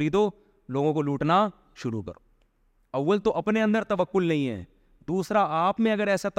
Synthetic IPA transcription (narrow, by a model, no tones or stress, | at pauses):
ɾiːd̪o | loːɡõkoluːʈna | ʃʊɾṵkɐ̰ɾoː | ɐʋːəlt̪oʔɐpneɐ̃nd̪əɾt̪ɐʋəkːʊlnɐɦĩɦɛ̰̃ː | d̪uːsɾaaːpmẽɐɡəɾɛːsat̪